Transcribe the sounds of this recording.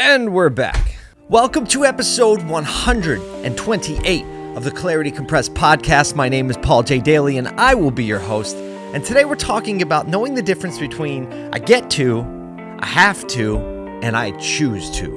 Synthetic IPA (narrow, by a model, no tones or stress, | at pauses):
ɨ̃nwɪɹbæ̰k | wɛlˠkə̃mtʰɨɛpɨsoʊd̚wʌ̃nhʌ̃ndɹɨɾ | ʔɨ̃ntʰw̥ɛ̃ntʰiʔeɪɾ | ʌvðɨkʰl̥ɛɹɨɾikʰm̩pʰɹ̥ɛspʰɑd̚kʰæst̚maɪnẽɪ̃mɨz̥pʰɔlˠd͡ʒeɪdeɪlˠiɨ̃naɪwɪlˠbijə˞hoʊst | ɨ̃ntʰɨdeɪwɨɹtʰɔkɪ̃ŋɨbaʊtⁿnoʊɪ̃ŋðɨdɪfɹɨ̃nsb̥ɨtʰw̥ĩn | ʔa̰ɪɡɛtʰʉ | ʔa̰ɪhæftʰʉ | ʔɨ̃naɪt͡ʃʰʉz̥tʰʉ̰